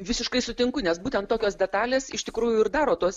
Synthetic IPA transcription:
ʋʲɪsʲɪʃkɐɪsʊt̪ʲɪŋkʊnʲɛsbuːt̪ʲɛnt̪toːkʲoːsd̪ʲɛt̪ɑːlʲeːsɪʃt̪ʲɪkɾuːjʊɪrd̪ɑːɾoːt̪uɔs

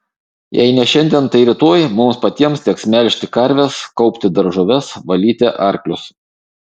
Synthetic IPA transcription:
jɛ̰ɪnʲɛʃʲɛnʲd̪ʲiɛnt̪ɐɪɾʲɪt̪oːjmʊmspɐt̪ʲiɛmst̪ʲɛksmʲɛlʲʃʲt̪ʲɪkɐɾʲʋʲɛskɒʊpʲt̪ʲɪd̪ɐɾʒʊːʋʲɛsʋɐlʲiːt̪ʲɛʔɐɾʲklʲʊs

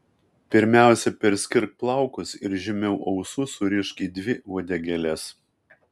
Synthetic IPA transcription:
pʲɪɾʲmʲæˑʊsʲɛpʲɛɾʲsʲkʲɪɾk̚plˠɐˑʊkʊsɪɾʒʲɪmʲɛʊʔɒʊsʊsʊɾʲɪʃkʲiːd̪ʲʋʲɪoːd̪ʲɛɡʲɛlʲɛs

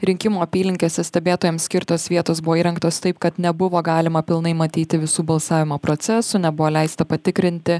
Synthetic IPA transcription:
ɾʲɪŋʲkʲɪmuːɐpʲiːlʲɪŋʲkʲeːsʲɛsʲt̪ʲɛbʲeːt̪oːjɛmsʲkʲɪɾt̪oːsʋʲiɛt̪oːsbʊʋoːiːɾɐŋkt̪oːst̪ɐɪpkɐt̪nʲɛbʊʋoːɡɑːlʲɪmɐpʲɪlˠnɐɪmɐt̪ʲiːt̪ʲɪʋʲɪsuːbɐlˠsɑːʋʲɪmoːpɾot̪sʲɛsʊnʲɛbʊʋoːlʲɛɪst̪ɐpɐt̪ʲɪkɾʲɪnʲt̪ʲɪ

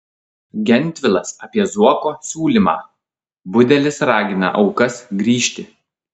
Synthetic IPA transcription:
ɡʲɛnʲt̪ʲʋʲɪlˠɐsɐpʲiɛzuɔkoːsʲuːlʲimɑ̰ː | bʊd̪ʲɛlʲɪsɾɑːɡʲɪnɐ̰ʔɒʊkɐsɡɾʲiːʃʲt̪ʲɪ

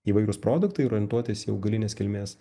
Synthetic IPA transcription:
iːʋɐɪɾʊspɾoːd̪ʊkt̪ɐɪɾɔːɾʲɪnt̪uɔt̪ʲɪsiɐ̰ʊɡɐlʲɪnʲeːskʲɪlʲmʲeːs

